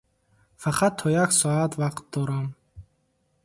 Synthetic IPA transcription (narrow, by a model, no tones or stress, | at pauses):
faqʰat̪ʰːɔjaksɔat̪ʰvaqt̪̚d̪ɔɾam